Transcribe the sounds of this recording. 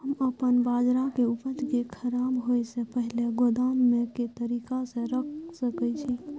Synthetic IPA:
həməpənbad͡ʒɾakeupəd͡ʒ̪kekʰəɾabɦojsepəɦileɡod̪amːeket̪əɾikasə̃ɾəkʰsəkɛt͡ʃʰi

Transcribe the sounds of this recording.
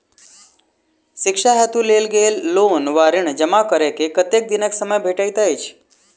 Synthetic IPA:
sɪkʂaɦɛt̪ũleːlɡeːlːoːnʋaɾiɳ̃d͡ʒəmakəɾekekət̪ek̚d̪ineksəməjbʱeʈajt̪ait͡ʃʰ

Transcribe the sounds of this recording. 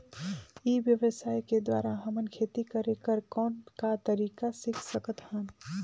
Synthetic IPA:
iʋjəʋəsaːjked̪wa̰ːɾaɦəmənkʰeːt̪ikəɾekəɾkɔːnkat̪əɾiːkasɪkʰsəkət̪hə̃n

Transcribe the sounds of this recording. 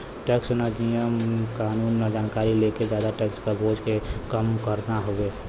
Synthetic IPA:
ʈeːksnad͡ʒijəmkaːnuːnːad͡ʒaːnkaːɾileked͡ʒjaːd̪aʈekskaboːd͡ʒkekəmkəɾnaɦoe

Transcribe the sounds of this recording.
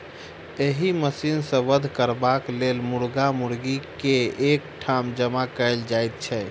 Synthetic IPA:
eɦiməsinsə̃ʋəd̪ʱkəɾbaklelmuɾɡamuɾɡikeekʈʰamd͡ʒəmakəjld͡ʒajt̪̚t͡ʃʰɛ

